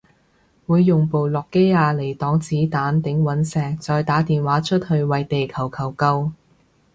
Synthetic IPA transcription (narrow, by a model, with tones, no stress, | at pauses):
wuː˨˧jːʊ˨ŋpo˨˧wlɔː˨kːe˥jaː˧le˨˩jt̪ɔː˨˥ŋt͡siː˨˥t̪aː˨˥nt̪ɪ˨˧˥ŋwɐ˨˥nsɛː˨˧ŋ̚t͡sɔː˨jt̪aː˨˥t̪iː˨nwaː˨˥t͡ʃʰɵ˥t̚hɵ˧ɥwɐ˨jt̪e˨jkʰɐ˨˩wkʰɐ˨˩wkɐ˧w